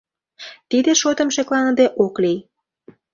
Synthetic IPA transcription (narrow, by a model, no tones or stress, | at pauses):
t̪id̪eʃot̪ə̆mʃeklɑnəd̪eʔoklij